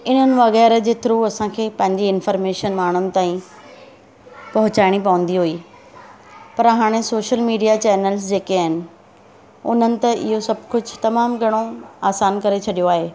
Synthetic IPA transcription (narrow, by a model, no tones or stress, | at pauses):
ɪn̤ənɪ̆ʋɐɣɛːɾəd͡ʑeːt̪ɪɾuːɐsãkʰeːpɐ̃ɦɪ̃ɲd͡ʑeɪnfəːɾmeːʃənmaːɳ̤ʊnɪ̆t̪aːĩ | pɐɦʊt͡ɕaːɪɽ̃ipɐʋə̃n̆d̪iɦuiː | pɐɾɦaːɽ̃esoːʃəlmiːɖijat͡ɕɛːnəls̬d͡ʑeːkeaːɦɪnɪ̆ | ʊ̰n̤ənɪ̆t̪ɐʔɪ̰ɦosɐb̚ʱkʊd͡ʑʱʊt̪ɐmaːmɡʱɐɽ̃oaːsaːnkɐɾet͡ɕʰɐɗijoaːɦeː